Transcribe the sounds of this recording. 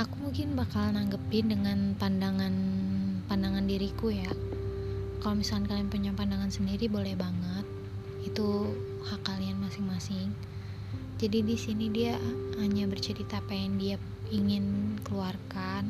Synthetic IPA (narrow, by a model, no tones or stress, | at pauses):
akumuŋkɪnbakalnaŋɡəpɪndəŋanpandaŋanpandaŋandiɾikuja | kalomisakankalianpuɲaŋpandaŋansəndiɾibolɛhbaŋət̪̚ | it̪u | hakːalianmasɪŋmasɪŋ | d͡ʒadidisinidiahaɲabərt͡ʃəɾit̪aːpajaŋdia | iŋɪnkəluarkan